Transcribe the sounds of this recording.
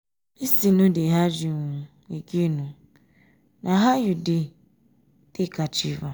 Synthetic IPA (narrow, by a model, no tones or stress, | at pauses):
isinũdeɦad͡ʒiŋu | eɡenũ | nʔaɦajudɪ | d̥ɪkat͡ʃiva